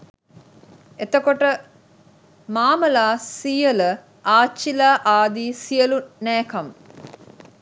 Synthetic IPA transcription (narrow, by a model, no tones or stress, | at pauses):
et̪əkoʈə | maːməlaːsijələ | aːt͡ʃːilaːʔaːd̪iːsijəlunæːkam